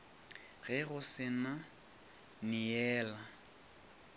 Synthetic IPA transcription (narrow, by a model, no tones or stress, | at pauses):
ɣɛɣʊsɪna | nɪjɛːla